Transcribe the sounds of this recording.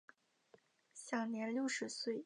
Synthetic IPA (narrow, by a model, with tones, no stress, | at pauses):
ɕjɑ˨˩ŋnjɛ˧˥nljo˥˧ʊʂɻ̩˧˥swe˥˩ɪ